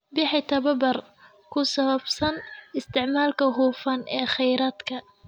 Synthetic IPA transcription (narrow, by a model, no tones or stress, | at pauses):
bɪħɪt̪ʰɐβɐbɐr | kʰʊsɐβɐbsɐnɪst̪ʰɪʕmaːlkʰɐɦuːfɐnʔɛːχɛjɾaːd̪kʰɐ